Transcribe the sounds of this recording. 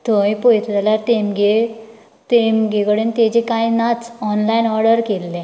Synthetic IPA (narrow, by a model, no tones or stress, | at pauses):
t̪ɔipɔjt̪lalat̪emɡe | t̪emɡeɡəɽent̪ed͡ʑekajnat͡sɔnlainɔɾɽəɾkelːe